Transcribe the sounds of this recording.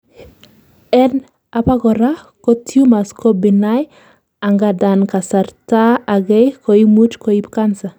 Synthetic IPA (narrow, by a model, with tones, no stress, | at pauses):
ɛ˦n | a˨pa˦ɡɔ˨ɾa˦ | ko˦tʰju˦ma˨skɔ˦bi˨na˦j | a˨ŋɡa˨da˨nka˨sa˨ɾta˦a˨ɡɛ˦jko˨i˦mu˦tko˨˦i˦bka˦nsa˨